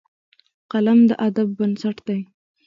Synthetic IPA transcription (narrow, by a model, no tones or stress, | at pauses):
qɑlamd̪əʔad̪abːənsaʈd̪̥aj